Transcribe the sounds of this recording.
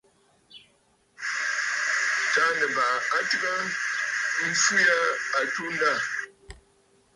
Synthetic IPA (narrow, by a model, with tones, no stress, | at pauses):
ta˦nə˨ba˨a˦tə˦ɣa˦ | m̩˦fu˦ja˦a˨tu˦n˦da˦˨